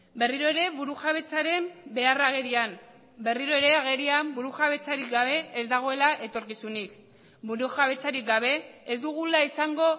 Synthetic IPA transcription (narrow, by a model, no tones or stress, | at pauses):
be̞riɾo̞eɾe̞βuɾuxaβ̞e̞t͡saɾe̞mbe̞araɣe̞ɾiam | be̞riɾo̞e̞ɾe̞aɣ̞e̞ɾiambuɾuxaβe̞t͡saɾik̚ɡaβe̞ːzd̪aɣ̞o̞e̞laʔe̞t̪o̞ɾkisunik | buɾuxaβe̞t͡saɾik̚ɡaβ̞e̞ːzd̪uɣ̞ulaisaŋɡo̞